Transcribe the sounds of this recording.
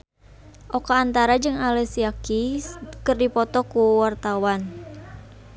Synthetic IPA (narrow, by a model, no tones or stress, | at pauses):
ʔɔkaːnt̪aɾad͡ʒɨŋalɛsiakiskɨrdipɔt̪ɔkuwart̪awan